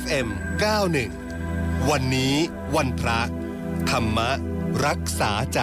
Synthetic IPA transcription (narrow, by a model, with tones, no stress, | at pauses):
ʔe˧mkaː˥˩wnɯ˨˩ŋ | wa˧nːiː˦˥ | wa˧npʰɾa˦˥ | t̪ʰa˧mːa˦˥ɾa˦˥k̚saː˩˦t͡ɕaː˨˩